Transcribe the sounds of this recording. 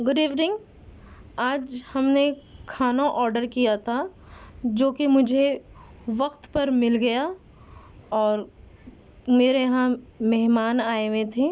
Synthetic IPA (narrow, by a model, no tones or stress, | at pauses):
ɡʊɖiːʋnɪ̃ŋɡ | aːd͡ʒhɐmnekʰaːnaʔɔːɾɖəɾkijat̪ʰa | d͡ʒoːkemʊd͡ʒʱe | ʋɐqt̪pɐɾmɪlɡɐja | ɔːɾ | meːɾeɦãmɛɦmaːnaːeʋẽt̪ʰeː